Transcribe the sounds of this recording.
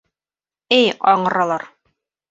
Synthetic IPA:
ɘjɑɴɤ̆ɾɑlˠɑɾ

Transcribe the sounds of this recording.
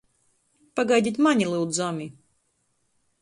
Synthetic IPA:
paɡajd̪ʲit̪ʲmanʲilˠɨwd̪zɔmʲi

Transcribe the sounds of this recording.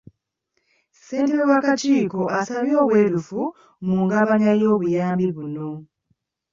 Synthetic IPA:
se̞ːnte̞ɾowakaciːko̞ʔasaβjo̞ːβwe̞ːɾufu | muːŋɡaβaɲajo̞ːβujaːmbiβuno̞

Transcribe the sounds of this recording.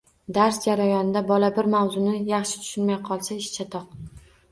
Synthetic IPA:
d̪aɾsd͡ʒaɾajɒnɪd̪abɒlabɪɾmawzʊnɪjɑχʃɪ̥t̪ʰʊ̥ʃɪnmajqʰɒlˠsaɪʃt͡ʃʰat̪ʰɒq

